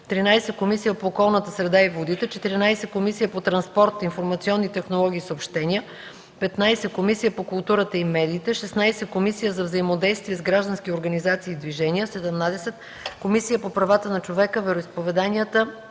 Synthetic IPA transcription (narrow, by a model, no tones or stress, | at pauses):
t̪ɾinajsɛkomisijəpoːkɔlˠnət̪əsɾɛd̪aivod̪it̪ɛt͡ʃɛt̪iɾinajsɛt̪̚komisijəpot̪ɾɐnspɔɾt̪infoɾmɐt̪siɔnːit̪ɛxnolˠɔɡ̟iːsəopʃt̪ɛnʲiə | pɛt̪najsɛkomisijəpokulˠt̪uɾət̪əimɛd̪iːt̪ɛʃɛsnajsɛkomisijəzɐvzəimod̪ɛjst̪viɛzɡɾaʒd̪ɐnsk̟ʲioɾɡɐnizat̪siːd̪viʒɛnijəsɛd̪ɛmnad̪ɛsɛt̪ | komisijəpopɾɐvat̪ənɐt͡ʃovɛkəvɛɾoispovɛd̪aniət̪ə